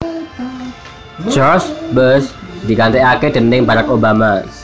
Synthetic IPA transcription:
d͡ʒɔsbəsdikant̪ɛaked̪ənɪŋbaɾakobama

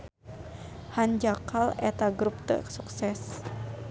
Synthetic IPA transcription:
hand͡ʒakalɛt̪aɡɾup̚t̪ə̰ksuksɛs

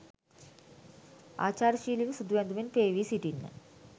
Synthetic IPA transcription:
a̰ːt͡ɕaːɾʃiːliʋəsud̪uʋɛnd̪uminpeːʋiːsiʈinːə̰

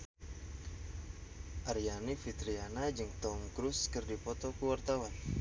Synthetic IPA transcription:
ʔarijanifit̪ɾianad͡ʒɨŋt̪ɔmkɾuskɨrdipɔt̪ɔkuwart̪awan

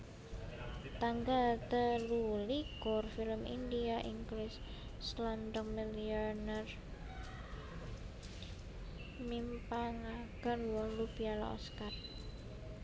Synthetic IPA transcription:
t̪aŋɡat̪əluliɡɔrfiləmḭndiaʔiŋɡlɪsː | land̪əŋmiliɔnɛr | mimpaŋaɡ̥ənwɔlubiala̰ʔɔ̰skar

